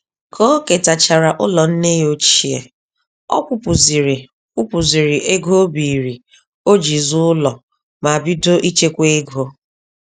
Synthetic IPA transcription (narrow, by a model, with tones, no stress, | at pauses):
kʰɔ˦ke˨ta˨t͡ʃa˨ɾa˨ʔʊ˦lɔ˨n̩˦ne˦jo˦t͡ʃi˦ḛ˨ | ɔ̰˦kʷʊ˨pʊ˨zi˨ɾi˨ | kʷu˦pʊ˨zi˨ɾi˨ʔe˦ɡo˦bi˨ɾi˨ | o˦d͡ʒi˨zʊ˦ʊ˦lɔ˨ | ma˨bi˦do˦ʔi˦t͡ʃe˦kʷe˦e˦ɡʱo˦